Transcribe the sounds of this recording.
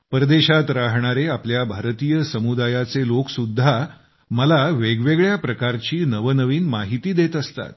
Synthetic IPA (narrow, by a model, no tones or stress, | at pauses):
pəɾəd̪eɕat̪ɾaɦɳ̃aɾeapljabʱaɾt̪ijəsəmud̪ajat͡seloksud̪ʱːa | məlaʋeɡʋeɡɭjapɾəkaɾt͡ɕiːnəʋənəʋiːnmaɦit̪iːd̪et̪əst̪a̰t̪̚